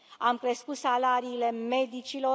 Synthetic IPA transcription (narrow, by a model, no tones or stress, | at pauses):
amkɾe̞skut̪salaɾiːle̞me̞d̪it͡ʃilo̞